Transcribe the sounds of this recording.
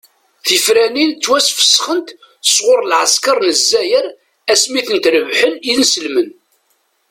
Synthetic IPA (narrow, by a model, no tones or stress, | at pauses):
θifɾænint͡sːwæsfə̥sːχənt̪ | əsʁʊɾˤlʕə̰skɑɾˤnəzːæjəɾ | æsmiθənt̪ɾəvħəniðnsəlmən